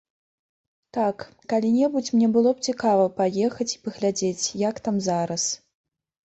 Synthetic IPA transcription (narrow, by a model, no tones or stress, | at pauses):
t̪ak | kalʲinʲɛbut͡sʲmnʲɛbɨlˠɔp̚t͡sʲikavɐpajɛxɐt͡sʲi̥pɐɣlʲad͡zʲet͡sʲjakt̪amzaɾɐs